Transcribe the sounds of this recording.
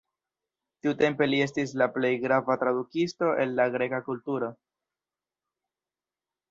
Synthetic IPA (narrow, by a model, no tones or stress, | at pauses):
tiute̞mpe̞lie̞s̬tis̬laple̞jɡɾavatɾadukisto̞ʔe̞̰nlaɡɾe̞kakultuɾo̞